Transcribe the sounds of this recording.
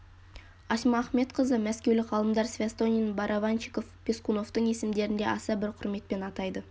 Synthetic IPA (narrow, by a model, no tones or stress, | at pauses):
ɑʃmɑːχme̞t̪qʰəzəmæskʲewlɪqʁʰɑlˠəmd̪ɑɾsvʲast̪o̞nʲijnbɑɾʔavant͡ʃiko̞fpʲeskuno̞ft̪əɴe̞sɪmd̪e̞ɾɪnd̪e̞̰ʔɑsɑbɪɾqʰʊɾme̞t̪̚pe̞nɑt̪ɑjd̪ə